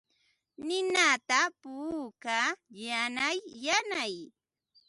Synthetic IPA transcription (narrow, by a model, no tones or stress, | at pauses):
nɪnat̪apukajanajːanaj